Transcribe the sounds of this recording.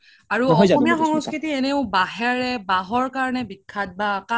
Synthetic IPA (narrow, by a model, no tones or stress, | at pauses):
aɹuɔɔjzaɔmiaxɔŋskɹitiɛneʊbaɦɛɹɛbaɦɔɹkaɹɔnɛbikʰːat̚baka